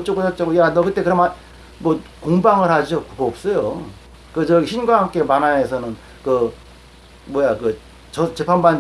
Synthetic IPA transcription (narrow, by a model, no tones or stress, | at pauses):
t͡ɕ͈oɡotʰʌt͡ɕ͈aɡojanʌkɯt͈e̞kɯɾʌma | mwʌkoŋbaŋɯɾhad͡ʑokkʌːp̚s͈ʌjo | kɯt͡ɕʌɕʰinɡwaɦamk͈e̞manaes̬ʰʌnɯn | kɯ | mwʌjakɯ | t͡ɕʌt͡ɕe̞pʰanban